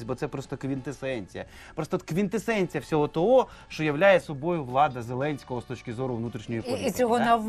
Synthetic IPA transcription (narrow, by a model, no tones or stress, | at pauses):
tʲbɔt̪sɛpɾɔst̪ɔkʋʲint̪esɛnʲt͡sʲijɐ | pɾɔst̪ɔkʋʲint̪esɛnʲt͡sʲijɐwsʲɔɦɔt̪ɔɦɔ | ʃt͡ʃɔjɐʋlʲajɛsɔbɔjʊʋlˠɑd̪ɐzelˠɛnʲsʲkɔɦɔst̪ɔt͡ʃkʲɪzɔɾʊʋnut̪ɾʲiʃnʲɔjipɔisʲɔɦɔnɐ